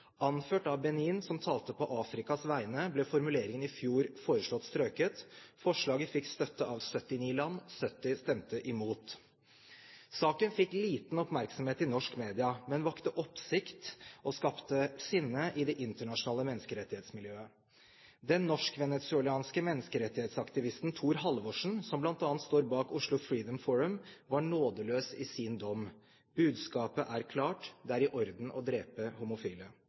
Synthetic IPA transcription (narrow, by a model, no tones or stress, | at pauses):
ɑnføːʈɑʋbɛniːnsɔmt̪ʰɑːlt̪əpʰɔʔɑːfɾɪkɑsʋæɪnəblɛfɔɾmʉleːɾɪŋənɪfjuːɾfoːɾəʂɭɔt̪ːst̪ɾøːkət̪fɔʂɭɑːɡəfɪkːst̪œt̪ːəʔɑʋsœt̪ːɪniːlɑnːsœt̪ːɪst̪ɛmt̪əʔɪmuːt̪ | sɑːkənfɪkːliːt̪n̩ɔpmæɾksɔmheːt̪ɪnɔʂkmeːd̪ɪɑmɛnʋɑkt̪əʔɔpsɪkt̪ɔskɑpt̪əsɪnːəʔɪd̪ɛʔɪnt̪əɳɑʂʊnɑːləmɛnːəskəɾɛt̪ːɪheːt̪smɪljøːə | d̪ɛnːɔʂkʋɛnɛt̪sʉɛlɑːnskəmɛnːəskəɾɛt̪ːɪheːt̪sɑkt̪ɪʋɪst̪n̩t̪ʰuːɾɦɑlʋoːʂɳ̩sɔmblɑnt̪ɑːnnt̪st̪oːɾbɑːkʊʂɭʊfɹiːd̪əmfɔɹəmʋɑɳoːd̪əløːsɪsiːnd̪ɔmː | b̥ʉːd̪skɑːpəʔæɾkʰlɑːʈd̪ɛæɾɪʔɔɾd̪n̩ʔɔ̰d̪ɾeːpəhʊmʊfyːlə